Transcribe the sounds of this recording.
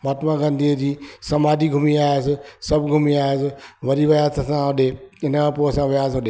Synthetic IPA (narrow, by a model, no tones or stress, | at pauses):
maːt̪mãɡɐ̃nd̪iːəd͡ʑiːsɐmaːd͡ʑiɡʱʊmiaːɪsɪsɐbʱɡʱʊmiaːɪsɪʋɐɾiʋɐjaːzt̪ɐsãɦɐɗeɪnəmãpoːsãʋjaːzɐɗe